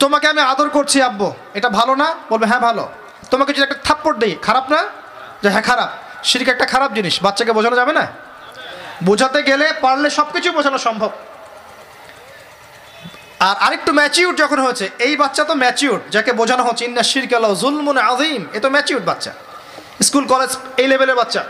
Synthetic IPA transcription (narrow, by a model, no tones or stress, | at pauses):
t̪omakeamiad̪oɾkoɾt͡ɕʰiabːo | eʈabʱalonabolbeɦɛ̃bʱalo̰ | t̪omakit͡ɕʰuɾɛkʈat̪ʰapːoʈ̚d̪ejkʰaɾabna | d͡ʑaɦɛ̃kʰaɾab̚ | ʃiɾkaɛk̚ʈakʰaɾab̚d͡ʑiniʃbatːɕʃak̬ebod͡ʑʱanod͡ʑabena | bod͡ʑʱat̪eɡelepaɽleʃɔb̚kit͡ɕʰujbod͡ʑʱanoʃɔmbʱob̚ | aɾʔaɾek̚ʈumɛt͡ɕiuʈ̚d͡ʑɔkʰonɦojet͡ɕʰeejbatːɕat̪omɛt͡ɕiuʈ̚d͡ʑakebod͡ʑʱanoɦot͡ɕʰeinːaʃiɾkalaozulmunaðimet̪omɛt͡ɕiuʈ̚batːʃʰa̰ | skulkɔled͡ʑejlebeleɾbatːʃa